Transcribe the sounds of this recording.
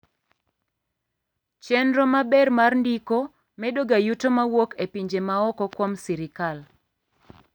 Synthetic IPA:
t͡ʃɛnɾɔmabɛrmarndiko | mɛdoɡajutomawokepiɲd͡ʒemaɔkɔkwɔmsiɾɪkal

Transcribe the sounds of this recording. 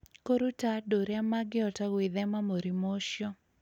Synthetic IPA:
koɾutadoɾjamaɡɪɔtawɪðɛmamoɾimoʃjɔ

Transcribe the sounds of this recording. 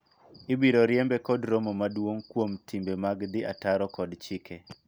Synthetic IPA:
ɪbiɾoɾjɛmbɛkɔdɾomomadwoŋkwomtimbemaɡd̪ɪa̰taɾɔkɔdt͡ʃikʰe

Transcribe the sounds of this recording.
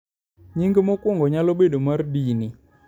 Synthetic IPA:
ɲiŋɡemokwʊŋɡɔɲaloɓeɗomardini

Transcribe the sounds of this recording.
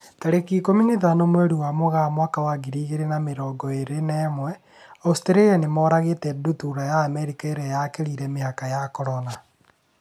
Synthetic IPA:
taɾekikominiðanomwɛɾuwamoɣamwakawaɡiɾiːɣeɾenameɾɔːɡɔeɾenɛːmwɛ | ɔsteɾejanemɔːɾaɣetɛdutuɾajaːmɛɾikaeɾɛjakeɾiɾɛmehakajakɔɾɔna

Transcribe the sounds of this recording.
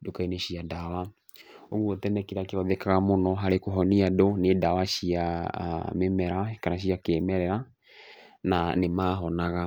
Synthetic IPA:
dokaineʃiadawa | oɣuotɛnɛkiɾakeɔðɛkaɣamonɔɦaɾekoɦɔniadonedawaʃia | memɛɾakanaʃ̬iakemɛɾɛɾa | nanemaːɦɔnaɣa

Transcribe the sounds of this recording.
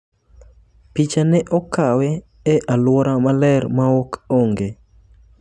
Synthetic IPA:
pit͡ʃanɛʔɔkawɛ | ɛʔalwɔɾamalɛɾmaokoŋɡe

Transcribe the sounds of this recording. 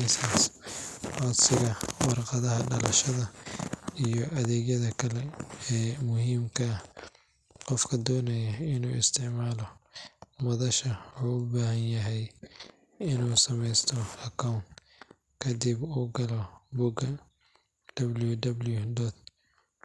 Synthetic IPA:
isɐsʔɔːd̪sɪɣɐwɑrqɑðɐɦɐɖɐlɐʃɐðɐ | ijɔʔɐðɛːɡjɐðɐkʰɐlɛɛːmʊhiːmkʰɐ | qɔfkʰɐd̪ɔːnɐjɐɪnuːɪst̪ʰɪʕmaːlɔ | mɐðɐʃɐuːʊbaːɦɐnjɐɦɛj | ɪnuːsɐmɛjst̪ʰɔɐkʰawnt̪ | kʰɐd̪ibuːɡɐlɔbuɡɐ | d̪̥ɐbljud̪ɐbljudɔt̪̚

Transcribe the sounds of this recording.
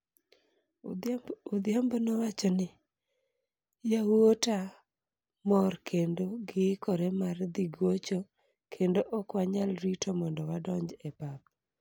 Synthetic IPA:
od̪ɪambɔnɔwat͡ʃɔnɪ | jaota | mɔrkʰendoɡɪkɔɾɛmard̪iɡwot͡ʃo | kʰendoʔɔkwaɲalɾitomɔndɔwadɔɲd͡ʒɛpap̚

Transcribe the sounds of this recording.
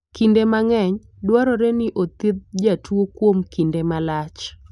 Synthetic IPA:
kindemaŋɛɲ | dwaɾɔɾɛnɪʔot̪ɪd̪̚d͡ʒatwokwomkindemalat͡ʃ

